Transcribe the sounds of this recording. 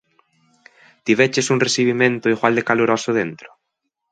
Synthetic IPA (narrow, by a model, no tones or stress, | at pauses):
t̪iβet͡ʃesuŋresiβ̞imẽnt̪ʊiɣwald̪ekaloɾɔsʊðent̪ɾʊ̥